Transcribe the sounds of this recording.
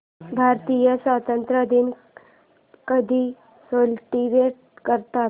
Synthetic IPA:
bʱaɾt̪ijəsʋat̪ənt̪ɾəd̪ʱin | kəd̪ʱiː | solʈiʋeʈ̚ | kəɾt̪a

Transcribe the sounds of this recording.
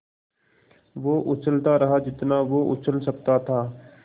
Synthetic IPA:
ʋoːʔʊt͡ʃəlt̪aɾɐɦad͡ʒɪt̪naʋoʔʊ̰t͡ʃʰəlsɐkt̪at̪ʰaː

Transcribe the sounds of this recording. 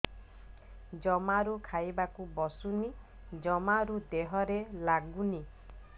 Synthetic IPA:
d͡ʒɔmaɾukʰajbakubɔsuni | d͡ʒɔmaɾud̪eɦɔɾelaɡuni

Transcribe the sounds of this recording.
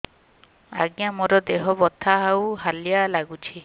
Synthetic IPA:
a̰ɡjamɔɾɔd̪eɦɔbɔt̪ʰaɦawɦalijalaɡut͡ʃʰi

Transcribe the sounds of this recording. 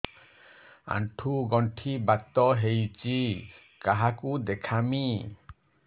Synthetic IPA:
a̰ɳʈʰuɡɔɳʈʰibat̪ːɔɦejt͡ʃi | kaɦakud̪ɛkʰami

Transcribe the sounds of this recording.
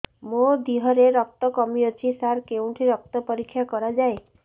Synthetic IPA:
mod̪iɦɔɾeɾɔk̚t̪ɔkɔmiɔt͡ʃʰisaɾkewɳʈʰiɾɔk̚t̪ɔpɔɾikʰːjakɔɾad͡ʒae

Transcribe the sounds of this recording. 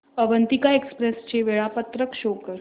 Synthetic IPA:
əʋənt̪ikaekspɾest͡ɕeʋeɭapət̪ɾəkʃokə

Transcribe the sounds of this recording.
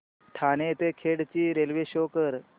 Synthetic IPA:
ʈʰanet̪ekʰeɽt͡ɕiːɾelʋeɕokəɾ

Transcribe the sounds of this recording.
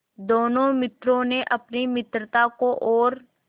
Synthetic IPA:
d̪oːnõmɪt̪ɾõneʔɐpnimɪt̪ɾət̪akoʔɔːɾ

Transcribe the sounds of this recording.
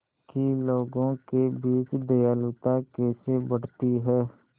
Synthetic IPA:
kiloːɡõːkeːbiːt͡ʃd̪əjaːlʊt̪aːkeːseːbəɽt̪iːɦɛː

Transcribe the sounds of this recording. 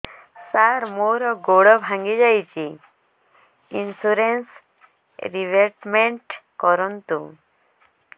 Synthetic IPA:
saɾmoɾɔɡoɽɔbʱãŋɡid͡ʒajt͡ʃi | insuɾens | ɾiʋeɾʈmeɳʈkɔɾɔnt̪u

